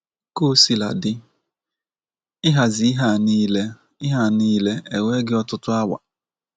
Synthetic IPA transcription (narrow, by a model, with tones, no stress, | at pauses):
ko˦˨si˨la̰˨dɪ˦ | ɪ˦ɦa˨zi˨˦ɦa˦˨ni˦le˦ | ɪ˦ɦa˦˨niː˦le˦e˨we˦ɡɪ˦ɔ˦tʊ˦tʊ˦a˦wa̰˨